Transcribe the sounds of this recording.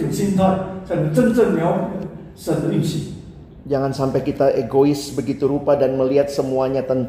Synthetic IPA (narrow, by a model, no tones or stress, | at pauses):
insint̪akant͡ʃənt͡sənmao | səninsi | d͡ʒaŋansampajkit̪aʔeɡoɪsbəɡit̪uɾupadanməliɦat̪̚səmuaɲat̪ənt̪